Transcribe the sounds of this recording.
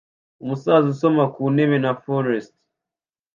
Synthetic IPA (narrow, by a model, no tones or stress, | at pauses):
umusaːzuso̞makuːne̞βe̞nafoɾest